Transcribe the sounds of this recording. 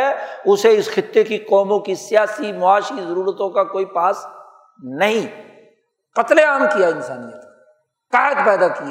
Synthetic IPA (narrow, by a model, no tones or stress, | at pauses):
ɛʊseɪsxɪt̪ːekiqɔːmõkisijaːsimʊaːʃizɐɾuːɾət̪õkakoːipaːs | nɐɦĩ | qɐt̪leaːmkijaɪnsaːnijə̰t̪ | kaːɦət̪pɛːd̪akia